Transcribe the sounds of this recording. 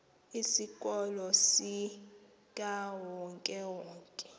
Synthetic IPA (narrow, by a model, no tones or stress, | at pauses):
isik̬ʼɔlɔsi | k̬ʼawɔŋkʼɛwɔːŋkʼɛ̥